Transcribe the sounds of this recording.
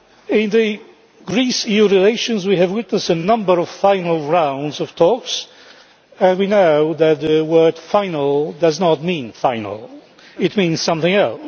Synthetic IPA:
ɪ̃nðɨ | ɡɹisijuɹileɪʃɨ̃nzwiɨvwɪtnəstənʌ̃mbə˞ɔv̥fãɪnəl̩ˠɹãʊ̃ndzɔv̥tʰɔks | ɨ̃nwinoʊðɨt̪̚ðɨwɜ˞d̥fãɪ̃nəlˠdʌznət̚mĩnfãɪ̃nə̰l̩ˠ | ɨt̚mĩnz̥sʌ̃mθɪ̃ŋɛlˠs

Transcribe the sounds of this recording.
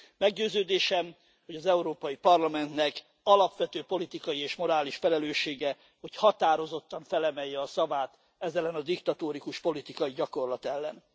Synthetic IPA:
mɛɡɟøːzøːd̪eːʃɛm | ho̞ɟɒzɛuɾoːpɒjipɒrlɒmɛnt̪nɛk | ɒlɒpʋɛt̪øːpo̞lit̪ikɒjieːʃmo̞ɾaːliʃfɛlɛløːʃːeːɡɛ | ho̞chɒt̪aːɾo̞zo̞t̪ːɒɱfɛlɛmɛjːɛɒsɒvaːt̪ | ɛzɛlɛnɒd̪ikt̪ɒt̪oːɾikuʃpo̞lit̪ikɒjiɟɒko̞rlɒt̪ɛlːɛn

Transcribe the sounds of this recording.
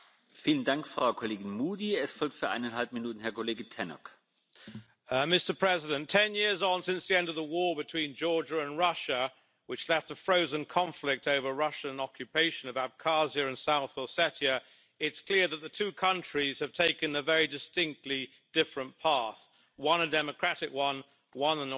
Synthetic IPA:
fiːləndaŋkfʁ̥aʊkʰoleːɡɪnmuːdiɛsfɔlk̚tfyːɐʔa̰ɪnanhalp̚minuːtn̩hɛɐkʰoleːɡətʰɛnɔ̰k | mɪstə˞pʰɹ̥ɛzɪɾɨ̃ntʰɛ̃njɪɹzn̩sɪ̃nsðiɛ̃ndʌvðəwɔɹbɨtʰw̥ĩnd͡ʒɔɹd͡ʒəə̃nɹʌʃə | wɨt͡ʃlɛftəfɹoʊzɨ̃nkʰɑ̃ɱflɪk̚toʊvə˞ɹʌʃə̃nɑkjɨpʰeɪʃɨ̃nʌvæb̚kʰɑziɨɨ̃nsaʊθɔsɛɾiɨ | ɪtskʰl̥ɪɹðət̪̚ðɨtʰʉkʰʌ̃nt͡ʃɹ̥iz̥ɨv̥tʰeɪkɨ̃nɨvɛɹidɨstɪ̃ŋk̚tˡli | d̥ɪfɹɨ̃npʰɑɹθ | wʌ̃nɨdɛmɨkʰɹ̥æɾɨkwʌ̃n | wʌ̃nə̃n

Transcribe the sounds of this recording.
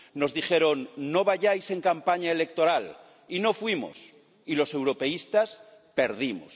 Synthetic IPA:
no̞zðixe̞ɾonːo̞βaʝajse̞ŋkampaɲaele̞k̚t̪o̞ɾal | ino̞fwimo̞̰s | ilo̞se̞wɾo̞pe̞ist̪as | pe̞ɾð̞imo̰s

